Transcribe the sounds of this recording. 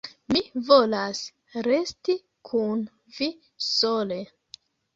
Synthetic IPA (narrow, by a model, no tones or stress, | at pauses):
mivo̞las | ɾesti | kʰun | vi | sole